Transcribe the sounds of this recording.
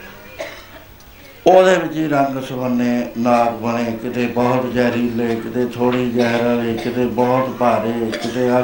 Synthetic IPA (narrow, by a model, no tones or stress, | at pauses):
oːd̪eːbɪt͡ʃiːɾəŋɡsəmənːeːnaːpbəɽ̃eːkɪt̪eːbɔːt̪d͡ʒɛːɾiːleːkɪt̪eːt̪ʰoːɽiːd͡ʒɛːɦɾəliːkɪt̪eːbɔːt̪baːɾeːkɪt̪eːə